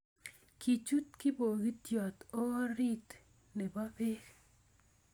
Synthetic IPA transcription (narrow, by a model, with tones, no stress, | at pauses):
ki˨t͡ʃu˦t̪kɪ˦bo˨ɡi˦t̪jɔ˨t̪ɔ˦ɾi˦t̪ | ne˨ba˦be˦k